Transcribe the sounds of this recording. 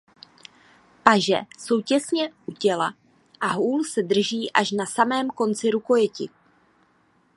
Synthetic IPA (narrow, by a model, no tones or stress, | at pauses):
paʒɛ̰so̞wcɛsɲɛʔucɛla | ʔaɦuːlsɛdr̩ʒiːʔaʃnasamɛːmko̞nt͡sɪɾuko̞jɛcɪ